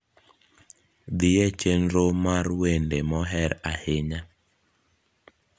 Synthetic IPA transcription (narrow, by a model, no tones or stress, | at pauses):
d̪ɪjet͡ʃenɾomarwendemɔɦɛɾaheɲa